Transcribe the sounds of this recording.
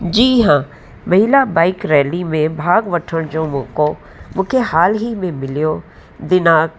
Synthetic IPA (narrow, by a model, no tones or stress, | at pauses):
d͡ʒiːɦãː | mɐɦɪlabaːɪkɾɛːlimẽbʱaːɡʋəʈʰəɽ̃d͡ʒõːmʊ̃ːkoː | mʊ̃kʰehaːlɦimẽmɪlijoː | d̪ɪnaːk